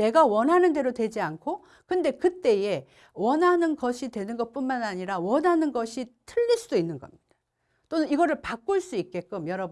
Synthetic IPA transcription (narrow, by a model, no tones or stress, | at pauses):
ne̞ɡawʌnɦanɯnde̞ɾotwe̞d͡ʑiankʰo | kɯnde̞kɯt͈e̞je̞ | wʌnɦanɯnɡʌɕʰitwe̞nɯnɡʌt̚p͈unmanaɲiɾawʌnɦanɯnɡʌɕʰitʰɯʎːiɭs͈udoinːɯnɡʌmɲid̥a | t͈onɯniɡʌɾɯɭpak͈uɭs͈uik̚k͈e̞k͈ɯmjʌɾʌb